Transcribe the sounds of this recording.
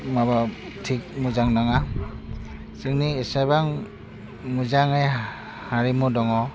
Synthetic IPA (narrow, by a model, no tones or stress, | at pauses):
maβa | tʰik̚muzaŋnaŋa | sɯŋniːsajbaŋ | muzaŋej | haɾimudɔŋɔ